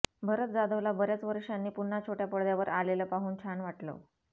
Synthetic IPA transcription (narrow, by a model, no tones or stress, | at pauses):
bʱəɾət̪d͡zad̪əʋlabʱəɾjat͡sʋəɾʂanːiːpun̤ːat͡ɕʰoʈjapəɭd̪jaʋəɾaleləːpaɦuːnt͡ɕʰaɳʋaʈlə̰ʋ